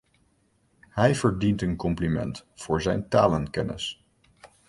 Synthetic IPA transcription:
hɛjv̥əɹdintənkɔmplimɛ̰ntfʊːɹzɛjntaːlənkɛnɪ̰s

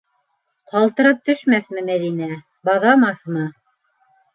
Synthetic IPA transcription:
qɑlˠt̪ɤ̆ɾɤp̚t̪ɵ̆ʃmæθmɘmæðinæ | bɑðɑmɑθmɤ

